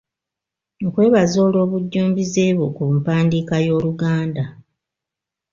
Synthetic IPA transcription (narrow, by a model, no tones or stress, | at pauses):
nokwe̞ːβazo̞ːlo̞ːβuɟːuːmbize̞ːβokupaːndiːkajo̞ːluɡaːnda